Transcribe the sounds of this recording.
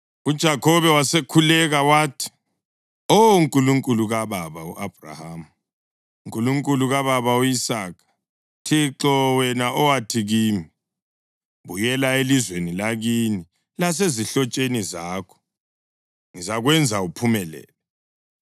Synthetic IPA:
ud̥ʒ̥ʱakʰɔβɛwasekʰulɛɣawaːtʰi̥ | ɔuŋkʼuluŋkʼuluɣaβaβaṵʔab̥ra̰haːmu | uŋkʼuluŋkʼuluɣaβaβauisaːkʰḁ | tʰiǁɔwɛnaʔɔwatʰiɣiːmi | βujɛlaelizwenilaɣini | las̬eziɬɔt͡ʃʼenizaːkʰɔ̥ | ŋizaɣwɛnd͡zʱaupʰumɛlɛ̰ːlɛ

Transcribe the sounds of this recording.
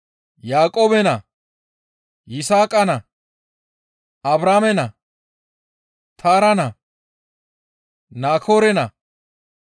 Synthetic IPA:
jaːkʼoːbɛnɐ | jɪsaːkʼɐnɐ | ɐbɾaːmɛnɐ | t̪ʰaːɾɐnɐ | naːkʰoːɾɛnɐ̰

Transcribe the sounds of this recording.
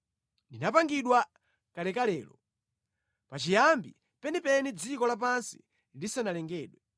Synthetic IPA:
ndinapaŋɡiɗwa | kalɛkalɛ̰ːlɔ | pat͡ʃijambḭ | pɛnipɛnid͡zikɔlap̬ansi̥̰ | lilisanalɛŋɡɛːɗwɛ

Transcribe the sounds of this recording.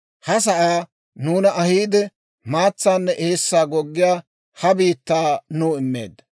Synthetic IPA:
hɐs̬ɐʔaː | nuːnɐʔɐhiːd̪ɛ | maːt͡sːaːnːɛʔeːsːaːɡɔɡːɪjaː | hɐbiːt̪ːaːnuːɪmːḛːd̪ːɐ

